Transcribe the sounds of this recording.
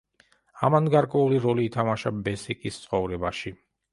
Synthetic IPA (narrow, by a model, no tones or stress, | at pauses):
a̰manɡaɾkʼwɛuliɾɔliːt̪ʰamaʃabɛsikʼist̪sʼχʼɔvɾɛbaʃi